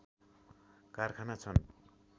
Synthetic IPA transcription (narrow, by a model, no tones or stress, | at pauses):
karkʰanat͡sʰʌn